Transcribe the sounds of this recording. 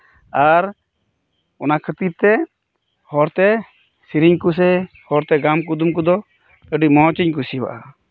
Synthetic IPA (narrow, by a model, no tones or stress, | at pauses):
aɾ | ɔnakʰət̪iɾt̪ɛ | hɔɾt̪ɛ | siɾiɲkus̬ɛ | hɔɾt̪ɛɡamk̬ud̪umk̬ud̪ɔ | əɖimɔɦɔt͡ʃiɲkusiwa̰ʔa